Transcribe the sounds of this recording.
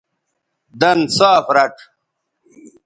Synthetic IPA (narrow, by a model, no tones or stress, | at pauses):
d̪ɐnsaːfɾɐʈ